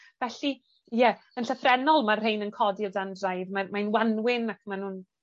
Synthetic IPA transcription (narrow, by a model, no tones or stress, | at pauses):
vɛɬi | jɛ | ənɬəfrɛnɔlˠmarrejnənkʰɔdiɔwdandrajðmamajnwanwɪnakmanhuːn